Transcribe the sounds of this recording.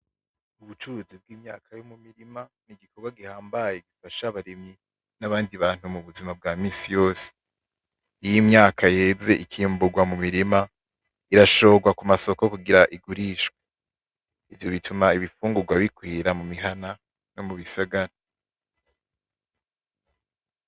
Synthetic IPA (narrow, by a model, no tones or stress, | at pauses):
uβut͡ʃuɾuzib̚ɡiːmɲa̰ːkʰajo̞mumiɾima | niɡikʰoɡwaɡihaːmbajeɡifaʃaβaɾimɲi | naβaːndiβaːn̥humuβuzimab̚ɡaːmiːsijo̞ːse̥ | ijimɲaːkʰajeze̞ʔikʰiːmbuɡwamumiɾima | iɾaʃo̞ːɡwakumaso̞kokuɡiɾaʔiɡuɾiːʃɡwe | ivjo̞βitʰumaiβifuːŋɡuɾɡwaβikwiːɾamumiɦana | no̞muβisaɡaɾa